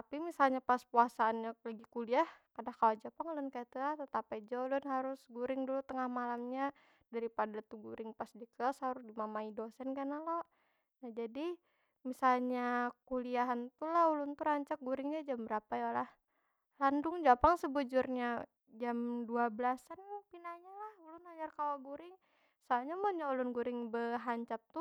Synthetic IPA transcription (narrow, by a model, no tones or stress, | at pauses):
t̪apimisalɲapaspuasaːnɲalaɡikuliahkadakawad͡ʒapaŋlʊnkajat̪ulaht̪ət̪apajd͡ʒɔlʊnɦaɾʊsɡuɾɪŋdulut̪əŋahmalamɲa | daɾipadat̪uɡuɾɪŋpasdikəshaɾʊsdimamaidosɛnkanalo | nahd͡ʒadi | misalɲakuliaɦant̪ulahulʊnt̪uɾaɲt͡ʃak̚ɡuɾɪŋɲad͡ʒambəɾapajalah | landʊŋd͡ʒapaŋsəbud͡ʒurɲa | d͡ʒamduabəlasanpinaɲalahulʊnaɲarkawaɡuɾɪŋ | saaɲamanɲaulʊnɡuɾɪŋbəɦaɲt͡ʃap̚t̪u